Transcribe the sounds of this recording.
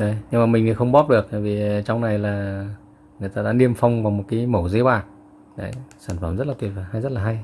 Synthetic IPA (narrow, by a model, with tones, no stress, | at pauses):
ɗə˧˦jɲɨ˧ŋmaː˨˩mi̟˨˩ə˨˩xə˧wŋ͡mɓɔ˦˥p̚ɗɨ˨˩ək̚t̪aː˧˨˩vi˨˩t͡ɕɔ˧wŋ͡mna˨˩jlaː˨˩ | ŋɨ˨˩əjt̪aː˧ɗa̰ː˧˥ɗi˧əmfa˧wŋ͡mvaː˨˩wmo˨˩t̚kiː˨˦jmo˧˩ze˨˦ɓwaː˨˩n̚ | ɗə̰˨˦jsaː˧˩nfə˧˩mzə˦˥t̚laː˨t̪wi˨˩ət̚vaː˨˩ha˧jzə˦˥t̚laː˨˩ɦa˧j